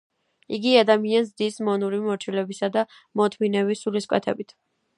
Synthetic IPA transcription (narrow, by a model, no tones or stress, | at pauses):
iɡiad̪amianzd̪ismɔnuɾimɔɾt͡ʃʰilɛbisad̪a | mɔt̪ʰminɛvisuliskʼwɛ̰t̪ʰɛ̰bit̪ʰ